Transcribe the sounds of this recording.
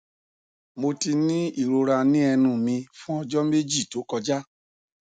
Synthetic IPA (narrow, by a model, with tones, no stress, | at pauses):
mo˧ti˧nĩ˦i˦˨ɾo˧ɾa˧nĩ˦ɛ˧nũ˦˨mĩ˧fũ˦ɔ˧d͡ʒɔ˦me˦d͡ʒi˦˨to˨˦kɔ˧d͡ʒa˦